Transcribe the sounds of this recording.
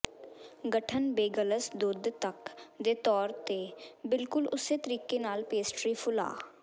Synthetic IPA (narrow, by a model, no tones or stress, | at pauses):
ɡəʈʰənbeːɡələsd̪ʊd̪t̪əkd̪eːt̪ɔːɾt̪eːbɪlkʊlʊseːt̪əɾiːkenaːlpeːsʈɾiːpʰʊla̰ː